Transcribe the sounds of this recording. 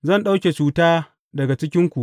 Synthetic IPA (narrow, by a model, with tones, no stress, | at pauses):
zɐ˦˨nɗa˦wkʲe˨t͡ʃuː˨taː˦ | dɐ˨ɡa˨t͡ʃɪ˦kʲɪ˦ŋkʷu˨ʔ